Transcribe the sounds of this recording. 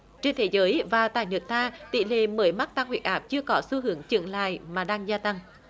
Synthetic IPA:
t͡ɕe˧nt̪ʰe˨˦zəː˨˦jvaː˨˩t̪a̰ː˧˨jnɨ˨˩ək̚t̪ʰaː˧t̪ḭ˧˨lḛ˧˨məː˨˦jma˦˥t̚t̪a˧ŋhwi˨˩t̚ʔaː˦˥p̚t͡ɕɨ˧əkɔ˨˦su˧ɦɨ˨˦əŋt͡ɕɨ̰˧˨ənla̰ː˧˨jmaː˨˩ɗaː˧ŋzaː˧t̪a˧ŋ

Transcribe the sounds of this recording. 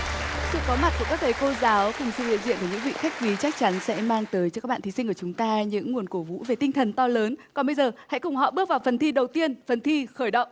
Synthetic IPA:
ka̰˧˥sɨ̰˧˨kɔ˨˦ma˨˩t̚ku˧˩kaː˦˥k̚t̪ʰə˨˩jko˧zaː˨˦wkʊ˨˩ŋ͡msɨ̰˧˨hḭ˧ənzḭ˧˨nk̪ə˧˩ɲɨ̰˧˥ŋvḭ˧˨xa˦˥jk̚vi˨˦t͡ɕa˦˥k̚t͡ɕa˨˦nsɛ̰˧˥maː˧ŋt̪əː˨˦jt͡ɕɔ˧kaː˦˥k̚ɓa̰ː˧˨t̪ʰi˨˦si˧ŋ̟ku˧˩ə˨t͡ɕʊ˨˦ŋ͡mt̪aː˧ɲɨ̰˧˥ŋːu˨˩ənko˧˩vṵ˧˥ve˨˩t̪ï˧ŋt̪ʰə˨˩nt̪ɔ˧ləː˨˦nkɔ˨˩nɓə˧jzəː˨˩ha̰˧˥jkʊ˨˩ŋ͡mhɔ̰˧˨ɓɨ˦˥k̚vaː˨˩wfə˨˩nt̪ʰi˧ɗə˨˩wt̪i˧ənfə˨˩nt̪ʰi˧xəː˧˩jɗə̰˧˨wŋ͡mʔ

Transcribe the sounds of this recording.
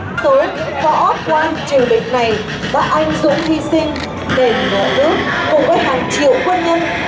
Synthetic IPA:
t̪oː˨˦jkkɔ̰˧˥˦p̚laː˧nt͡ɕi˨˧˩əwɗï˨ŋ̟̚na˨˩j | ɓa̰ː˧˥ʔa˧jŋ̟zʊ̰˧˥ŋ͡mhi˧sï˧ŋ̟ | ɗe˧˩ŋə̰ː˧˨˩nɨ̰˦˥ək̚ːʊ̰˨˧˩ŋ͡mvəː˨˦jɦaː˨˩ŋt͡ɕḭ˧˨əwkwə˧nɲə˧n

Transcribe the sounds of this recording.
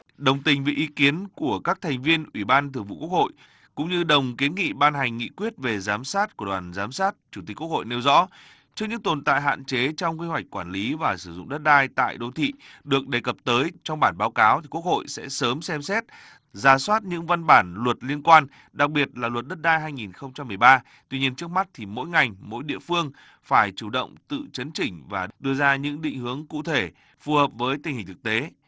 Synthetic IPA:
ɗə˨˩wŋ͡mt̪ï˨˩ŋ̟vḭ˨ʔi˨˦ki˨˦ənku˧˩əkaː˦˥k̚t̪ʰa˨˩ŋ̟vi˧ənʔwi˧˩ɓaː˧nt̪ʰɨ˨˧˩ŋvṵ˧˨ku˦˥ək̚ho̰˧˨j | kʊ̰˧˥ŋ͡mɲɨ˧ɗə˨˩wŋ͡mki˨˦ənŋḭ˧˨ɓaː˧nɦa˨˩jŋ̟ŋḭ˧˨kwi˦˥ət̚ve˨˩zaː˨˦msaː˦˥t̚ku˧˩əɗwaː˨˩nzaː˨˦msaː˦˥t̚t͡ɕu˧˩t̪i̟˨˩ku˦˥ək̚ho̰˧˨jne˧wzɔ̰˧˥ | t͡ɕɨ˦˥k̚ŋɲɨ̰˧˥ŋt̪o˨˩nt̪a̰ː˧˨jɦa̰ː˧˨nt͡ɕe˨˦t͡ɕɔ˧wŋ͡mki˧hwa˨˩jk̟̚kwaː˧˩nli˨˦vaː˨˩sɨ˧˩zʊ̰˧˨ŋ͡mɗə˦˥t̚ɗaː˧jt̪a̰ː˧˨jɗo˧˦t̪ʰḭ˧˨ɗɨ˨˩ək̚ɗe˨˩kə˨˩p̚t̪əː˨˦jt͡ɕɔ˧wŋ͡mɓaː˧˩nɓaː˨˦wkaː˨˦wt̪i˨˩ku˦˥ək̚ho̰˧˨jsɛ̰˧˥səː˨˦msɛ˧msɛ˦˥t̚ | zaː˧˩swaː˦˥t̚ɲɨ̰˧˥ŋva˧nɓaː˧˩nlwə˨˩t̚li˧ənkwaː˧n | ɗa˨˩k̚ɓi˨˩ət̚laː˨˩lwə˨˩t̚ɗə˦˥t̚ɗaː˧jɦaː˧jŋi˨˩nxə˧wŋ͡mt͡ɕa˧mːɨ˨˩əjɓaː˧ | t̪wi˧ɲi˧ənt͡ɕɨ˦˥ək̚m˦˥t̚t̪ʰi˨˩mo̰˧˥jŋa˨˩jŋmo̰˧˥jɗḭ˧˨əfɨ˧əŋ | faː˧˩jt͡ɕu˧˩ɗə̰˧˨wŋ͡mt̪ɨ̰˧˨t͡ɕə˨˦nt͡ɕï˧˩ŋ̟vaː˨˩ɗɨ˧əzaː˧ɲɨ̰˧˥ŋɗḭ̈˧˨ŋ̟hɨ˨˦əŋkṵ˧˨t̪ʰe˧˩ | fu˨˩həː˨˩p̚vəː˨˦jt̪i˨˩ŋhï˨˩ŋ̟t̪ʰɨ˨˩k̚t̪e˨˦

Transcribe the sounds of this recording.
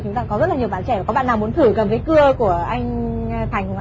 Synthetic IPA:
t͡ɕʊ˨˦ŋ͡mt̪a̰ː˧˨˩kɔ˨˦zə˦˥t̚la˨ɲi˨˩əwɓaː˨˩nt͡ɕɛ˧˩va˨˩kɔ˨˦ɓa̰ː˧˨nːaː˨˩mu˨˦nt̪ʰɨ˧˩kə˨˩mvə˨˦jkɨ˧əku˧˩əʔa˧jŋ̟fʰaː˨˩jŋkʔ

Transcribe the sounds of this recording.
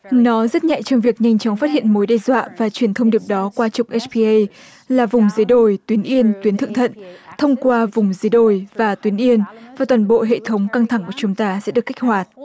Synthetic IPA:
nɔ˨˦zə˦˥t̚ɲa̰˧˨jt͡ɕɔ˧wŋ͡mvi˨˩ək̚ɲa˧jŋ̟t͡ɕɔ˨˦wŋ͡mfaː˦˥t̚hḭ˧˨ənmo˨˦jɗɛ˧zwa̰ː˧˨vaː˨˩t͡ɕwi˨˩ənt̪ʰə˧wŋ͡mɗi˨˩əp̚ɗɔ˨˦kwaː˧t͡ɕʊ˨˩k͡p̚ʔɛ˦˥pi˧ʔə˧j | laː˨˩vʊ˨˩ŋ͡mzə˨˦jɗo˧˩jt̪wi˨˦ənʔi˧ənt̪wi˨˦ənt̪ʰɨ̰˧˨ŋt̪ʰə̰˧˨nt̪ʰə˧wŋ͡mkwaː˧vʊ˨˩ŋ͡mzə˨˦ɗo˧˩jvaː˨˩t̪wi˨˦ənʔi˧ənvaː˨˩t̪waː˨˩nɓo̰˧˨ɦḛ˧˨t̪ʰə˨˦wŋ͡mka˧ŋt̪ʰa˧˩ŋku˧˩ət͡ɕʊ˨˦ŋ͡mt̪aː˧sɛ̰˧˥ɗɨ˨˩əkːa˦˥k̟̚hwaː˨˩t̚

